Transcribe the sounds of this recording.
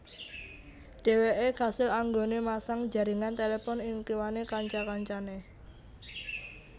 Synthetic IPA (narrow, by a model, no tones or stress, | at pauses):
ɖ̥e̤weʔekasɪlaŋɡonemasaŋ̥d͡ʒa̤ɾiŋant̪elepɔnɪŋkiwanekaɲt͡ʃakaɲt͡ʃane